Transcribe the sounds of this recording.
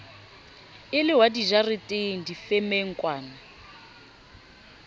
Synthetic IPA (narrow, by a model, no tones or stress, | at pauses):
ɪlɪɦwadiʒarɪtʼeŋ̩difɛmeŋ̩kʼwaːna